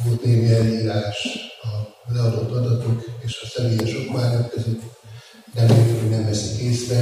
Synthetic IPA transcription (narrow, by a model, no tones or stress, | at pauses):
olt̪neːɡeɛljiːlaːʃɒlɛɒd̪ot̪ːɒd̪ɒt̪okeːʃɒsɛmeːjɛʃokmaːnɒk̪køzøt̪ː | d̪ɛlet̪oɟnɛmvɛsikeːsvɛ